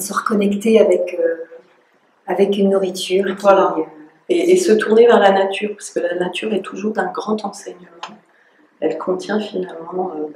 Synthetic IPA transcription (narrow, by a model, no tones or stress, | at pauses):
ɔ̃səʁəkɔnɛkt̪eavɛkø | avɛkynːuʁit̪yːʁvwala | eʔesət̪ʰuʁnevɛʁlanat̪ʰyːʁpḁʁskəlanat̪yʁɛt̪ʰuʒuʁd̪ɛ̃ɡʁɑ̃t̪ɑ̃sɛɲəmɑ̃ | ɛlkʰɔ̃t̪jɛ̃finalmɑ̃ø